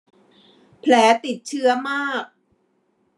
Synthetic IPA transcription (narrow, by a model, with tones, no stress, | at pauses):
pʰlɛː˩˦t̪i˨˩t̪̚t͡ɕʰɯ˦˥ɐmaː˥˩k̚